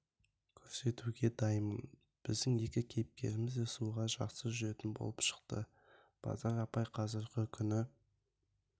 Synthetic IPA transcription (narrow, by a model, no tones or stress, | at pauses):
kʲʰɵɾse̞t̪uɡʲe̞d̪ɑjmən | b̥ɪzd̪ɪŋje̞kʲɪkʲʰe̞jɪp̚kʲe̞̰ɾɪmɪzd̪esuʁɑʒɑ̰qsəʒʏɾe̞t̪ɪnbo̞̰lˠəpʃə̥qt̪ə̰ | b̥ɑ̰zɑɾɑpɑjqʰɑzəɾqəkʲʰʏnɪ